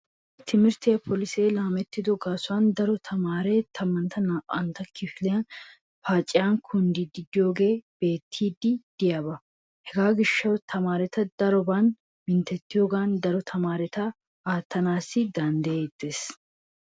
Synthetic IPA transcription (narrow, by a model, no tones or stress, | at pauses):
t̪ʰɪmɪɾt̪ejɐpʰɔlɪseːlaːmɛt̪ːɪd̪ɔɡaːsʊwaːnd̪ɐɾɔt̪ʰɐmaːɾeːt̪ʰɐmːɐnt̪ɐnaːʔʼɐ̰nt̪ɐkʰɪfɪlɛjɐn | faːt͡ʃʼːɪjaːnkʰʊnd̪id̪ɪd̪ɪjo̞ːɡe̞ːb̥e̞ːt̪ʰːiːd̪ːɪd̪̥ɪjaːbɐ | hɛɡaːɡɪʃːɐwt̪ʰɐmaːɾɛt̪ɐd̪ɐɾɔban | mɪnt̪ɛt̪ːɪjo̞ːɡaːnd̪ɐɾɔt̪ʰɐmaːɾɛt̪ɐ | aːt̪ːɐnaːsːɪd̪ɐnd̪jeːd̪ːeːs